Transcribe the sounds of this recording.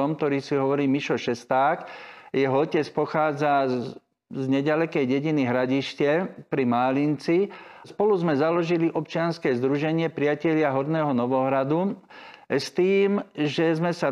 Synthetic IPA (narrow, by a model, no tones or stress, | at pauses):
ɔmkt̪ɔɾiːsiɦɔʋɔɾiːmiʃɔʃɛst̪aːkjɛɦɔɔcɛt͡spɔxaːd͡za | zɲɛɟalɛkɛjɟɛɟiniɦɾaɟiʃcɛpɾimaːlint͡sispɔluzmɛzalɔʒiliʔɔpt͡ʃɪanskɛːzd̪ɾuʒɛɲɪɛpɾɪjacɛʎɪaɦɔɾnɛːɦɔnɔʋɔɦɾad̪u | st̪iːmʒɛzmɛsa